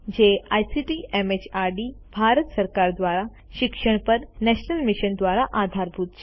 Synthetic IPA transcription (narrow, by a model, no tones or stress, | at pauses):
d͡ʑeajsiʈiʔemet͡ɕaɾɖibʱaɾət̪səɾkaɾd̪ʋaɾa | ɕikʂəɳ̃pəɾnɛɕnəlmiɕənd̪ʋaɾaʔad̪ʱaɾbʱut̪̚t͡ɕ